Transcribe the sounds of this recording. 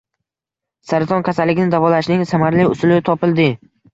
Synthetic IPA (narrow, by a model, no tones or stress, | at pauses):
saɾɪt̪ʰɒnkʲʰasalːɪɡʲkʲɪnɪd̪avɒlaʃnɪŋsamaɾliʊsʊlɪt̪ʰɒpɪlˠd̪ɪ